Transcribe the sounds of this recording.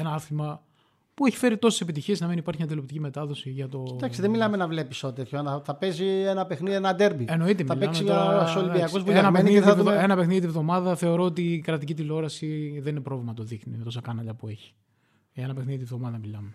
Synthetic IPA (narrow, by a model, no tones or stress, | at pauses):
enɐɐθimɐ | pueçi̥feɾit̪o̞se̥se̞pit̪içie̞znɐminipɐɾçiɲɐt̪ilopt̪icime̞t̪ɐðo̞siʝɐt̪o̞t̪ɐksiðemilɐmenɐvle̞pisoot̪et̪çonɐθɐpezienɐpexniðienɐd̪eɾbieno̞it̪emɐilpeɐmsmsiɐolibiɐkozvuenɐmexnniðivenɐpexniðit̪ievðo̞mɐðɐθe̞o̞ɾo̞ot̪ikɾɐt̪icit̪ilo̞ɾɐsiðe̞ninepɾo̞vlimɐɐt̪oðixnḭmet̪osɐkɐnɐʎɐpue̞çi̥ | eenɐpexniðit̪ievðo̞mɐðɐmilɐme